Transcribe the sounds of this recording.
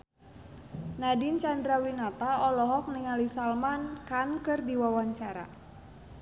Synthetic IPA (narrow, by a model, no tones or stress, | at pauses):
nadint͡ʃandɾawinat̪aɔlɔɦɔk̚niŋalisalmankankɨrdiwawaɲt͡ʃaɾa̰